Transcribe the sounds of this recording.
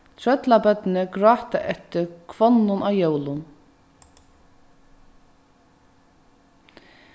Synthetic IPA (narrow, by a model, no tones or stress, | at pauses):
t̪ʰɾɹœt̪labœt̪nɪɡɹɑːt̪aʔɛt̪ɪɾkʰvɔnːʊnʔajowlʊn